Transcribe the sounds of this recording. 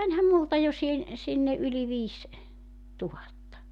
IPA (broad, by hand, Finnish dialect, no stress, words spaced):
mænʲhæm multɑ jo sihen sinːe ʔyli ʋiːs tuhɑtːɑ